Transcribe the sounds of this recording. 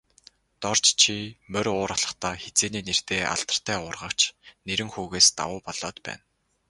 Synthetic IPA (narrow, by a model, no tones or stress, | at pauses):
t̪ɔrt͡ɕt͡ɕʰimœɾʲʊːɾaɮə̆χt̪aːxet͡seːniːner̥t̪eːʔa̰ɬt̪ə̆r̥t̪ʰæːʊrʁə̆kt͡ɕʰneɾɘ̆ŋxuːɣeːst̪a̰wʊːpɔɮ̥ɔːt̪pæ̰ːn